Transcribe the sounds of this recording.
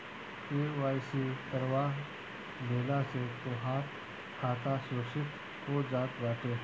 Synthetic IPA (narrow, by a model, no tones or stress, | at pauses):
eːʋaːjsit̪əɾʋaːɦ | bʱeːlaset̪oɦaːt̪ | kʰaːt̪asoːʃɪt̪ | ɦoːd͡ʒaːt̪ʋaːʈeː